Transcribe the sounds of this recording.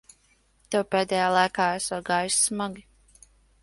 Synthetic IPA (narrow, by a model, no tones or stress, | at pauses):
t̪ɛwpʲɛːd̪ɛːjaːlˠajkaːɛsaɡaːjussmaɡi